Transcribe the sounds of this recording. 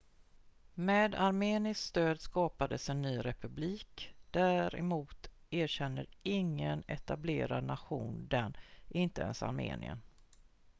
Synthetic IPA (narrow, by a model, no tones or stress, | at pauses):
meːd̪aɾmeːnɪskst̪øːd̪skɑːpad̪əsɛnːyːɾɛpɵbliːkd̪̥æɾɛ̰muːt̪ | eːɾɕɛnːəɾɪŋːənɛt̪ableːɾad̪naɧuːnd̪ɛnʔɪnt̪əɛ̰nsa̰ɾmḛːnʔɪ̰ə̰n